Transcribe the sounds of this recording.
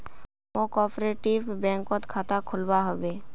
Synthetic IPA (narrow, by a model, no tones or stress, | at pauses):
ʋõkɔːpɾeːʈiʋbɛ̃ːŋkõt̪kʰaːt̪akʰʊlbaɦobeː